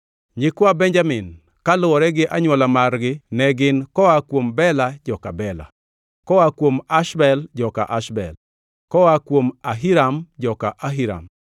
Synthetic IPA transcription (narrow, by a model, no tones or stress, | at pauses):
ɲɪkwabɛɲd͡ʒamɪn | kalʊwɔɾɛɡɪʔaɲwɔlamarɡɪnɛɡɪnkɔwakwombɛlad͡ʒɔka̰bɛla̰ | kɔwakwomaʃbɛld͡ʒɔka̰ʔaʃbɛ̰l | kɔwakwomaɦiɾamd͡ʒɔkaʔaɦiɾa̰m